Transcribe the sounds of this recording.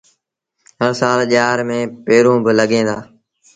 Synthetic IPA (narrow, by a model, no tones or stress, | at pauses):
ɦəɽsaːlʄaːɾmẽːpeːɾõːbɪləɡẽːd̪aː